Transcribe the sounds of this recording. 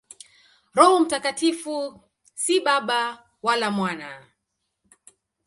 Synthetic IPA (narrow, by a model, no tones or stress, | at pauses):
ɾɔhɔm̩takatifu | siɓaɓa | walamwana